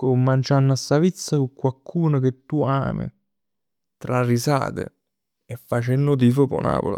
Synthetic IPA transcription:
komːant͡ʃanːasːavit̪sːakukːwalkʰuːnʊk̟et̪ːua̰ːmḭ | t̪ɾarːisa̰ːt̪ɪ̰ | efːat͡ʃenːʊt̪iːfopo̰na̰ːpo̰la̰

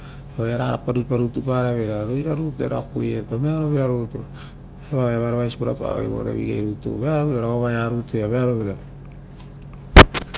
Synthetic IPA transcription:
eojaɾaɾapaɾupaɾutupaɾaβeɾaɾojɾaɾutuḛɾa̰kujetomeaɾoβeaɾutu | eβaβeaβaɾaβajsipuɾapa̰βḛjβo̰ɾḛβḭɡejɾutṵβeaɾoβiɾaɾaomajaɾutujaβeaɾoβiɾa

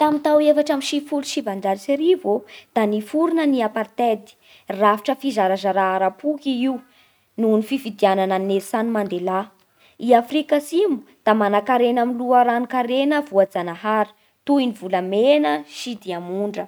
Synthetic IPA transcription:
t̪amit̪awefaʈ͡ʂamiʃifuluʃivand͡ʒaɾiseɾivod̪̥anifuɾunəniapart̪ed̪i̥ | rafiʈ͡ʂəfizaɾazaɾaaɾapukiiw | nunifivid̪ianananesanimand̪ela | iafɾikəsimu̥d̪̥amanakaɾenamiluəɾanikaɾenəvuad͡zanaɦaɾi̥ | t̪uinivulamenəʃid̪iamuɳɖ͡ʐə

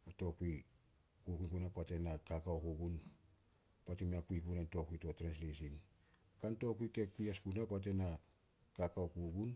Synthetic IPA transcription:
ato̞kui | kukuikunapate̞nakakawkuɡun | patimeakuipunanto̞kuito̞tɾenslis̬in | kanto̞kuike̞kːuiaskunapat̬e̞na | kakaokuɡun

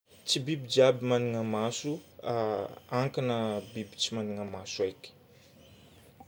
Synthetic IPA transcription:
t͡sibibid͡ʒabimaniŋəmasuaaŋkanəbibit͡simaniŋəmasuajkʲi̥

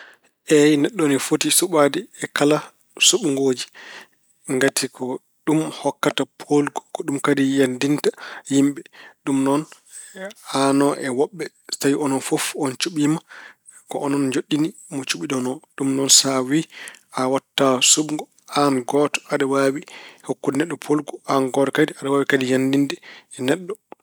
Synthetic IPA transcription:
ʔɛjnɛɗːɔnifotisuɓadiɛkala | suɓŋɡoːd͡ʒi | ŋɡatʰikʰɔ | ɗumhɔkːatapʰolɡɔ̥kɔɗumkadijandintahimɓɛɗumnɔn | hanɔʔɛwɔɓːɛ | stawiɔnɔnfofɔnt͡ʃuɓima | kɔʔɔnɔnd͡ʒoɗːinimɔt͡ʃuɓiɗɔnɔɗumnɔnsawiʔawatːasuɓŋɡɔ | hanɡɔtɔ̥aɗawawihokːunɛɗːɔpʰolɡuanɡɔɾɔkadiaɗawawikadijandindɛɛnɛɗːɔ

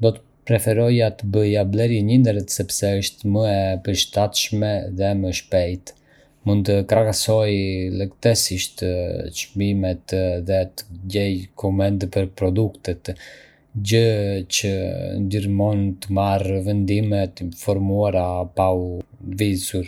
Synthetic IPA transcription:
d̪ɔt̪ə̥ | pɾɛfɛɾɔjat̪əbəjablɛɾjɛɲind̪ɛɾɛt̪sɛpsɛəʃt̪məɛpəɾʃt̪at̪ʃmɛðɛməʃpɛjt̪ | mund̪t̪əkɾakasɔjlɛkt̪ɛsiʃt̪ʃbimɛt̪ðɛt̪əɟɛjkʰɔmɛnt̪pəɾpɾɔd̪ukt̪ət̪ | ɟət͡ɕənd̪iɾmɔnt̪əmarvɛnd̪imɛt̪fɔɾmuaɾapawvizuɾ

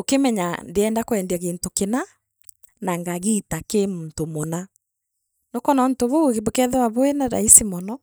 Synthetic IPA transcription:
okemɛɲandeɛndakoɛndaɣeːntokena | naŋɡaɣitakemuntomona | nokɔnɔn̩toβoɣbokɛðɛwaβoenaɾa̰isimɔnɔ

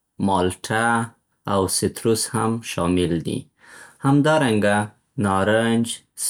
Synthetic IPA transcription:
mɑlʈʰa | awsɪt̪ɾushamʃɑmɪld̪ḭ | hamd̪ɑɾaŋɡa | nɑɾand͡ʒ | s

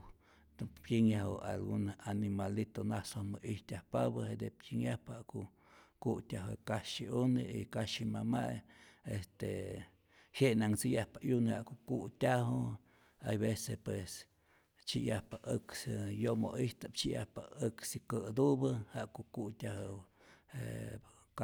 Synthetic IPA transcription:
t̪pjiŋahoa̰lɡunanimalit̪onasohmoʔiht̪ʲjahpabəhed̪epkʲiŋjahphaʔkoʔ | kuʔtʲaɦekaʃiʔuneḭkaʃimamajest̪e | heʔnaŋt͡sijahpajunhaʔkoʔkuʔtʲaɦo | ajβesepwes | t͡ʃijahpaʔɨksjomo̰ʔiht̪ap̚t͡ʃiʔja̰hpaɨksikəd̪ubɨhaʔkoʔkuʔt̪ʲaho | ḛ | k

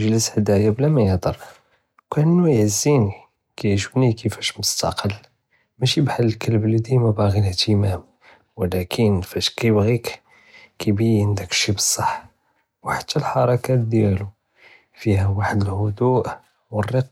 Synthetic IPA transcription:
əʒləshd̪æjæblæmæjəhd̪ɑɾˤ | kænːujʕəzːini | kæjʕʒəbnikʰəfæʃmʊst̪ɑ̰qʰəlː | mæʃibħalːəlkəlblid̪imæbæɣinht̪əmæm | wəlækʰənfæʃkæjbɣik | kæbiʕənd̪əkʃibəsˤːɑħ | wħḁt̪ʰːælħɑɾˤɑkæd̪jælu | fiɦæwaħəd̪əlhʊd̪uʔ | wərːəqː

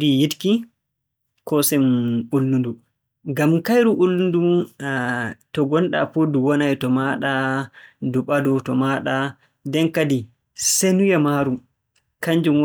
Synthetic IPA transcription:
dijitki | kɔsɛmulːundu | ɡamkajɾuʔulːundu | tɔɡɔnɗa̰puduwɔnajtɔmaɗa | duɓadɔtɔmaɗa | dɛnkadi | senujamaɾu | kaɲd͡ʒum

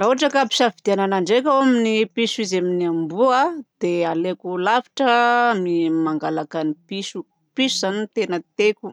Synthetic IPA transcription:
ɾaɦuaʈ͡ʂakapi̥safid̪iananaɳɖ͡ʐek̬ʲawaminipisuizaminiambuad̪̥ealekulafi̥ʈ͡ʂəmimaŋɡalakanipisu | pisuzanit̪enət̪ekʲu̥

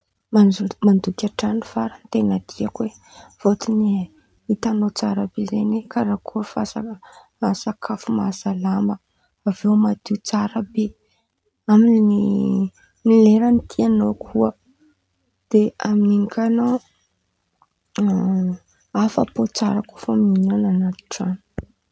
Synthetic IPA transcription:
mamand̪ukʲaʈ͡ʂanifaɾant̪enad̪̥iakwev̥ot̪ini | it̪anot͡saɾabezenekaɾakʰuəfasaasakʰafumazalambə | avewmad̪iut͡saɾabe | amini | nileɾənit̪ʰianokʰuə | d̪̥eamininikʲano | afapot͡saɾakufaminonanat̪i̥ʈ͡ʂani̥

